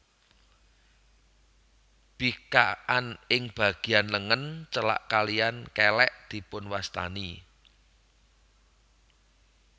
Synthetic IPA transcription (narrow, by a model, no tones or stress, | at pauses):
b̥ikaʔanɪŋb̥ä̤ɡ̥i̤anləŋənt͡ʃəla̰ʔkalijankɛlɛʔd̪̥i̤pʊnwast̪a̰ni